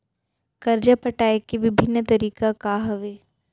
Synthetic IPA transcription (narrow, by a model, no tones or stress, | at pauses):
kɐɾd͡ʒapɐʈaːekːiʋɪbʱɪnːət̪ɐɾiːkakaɦɐʋeː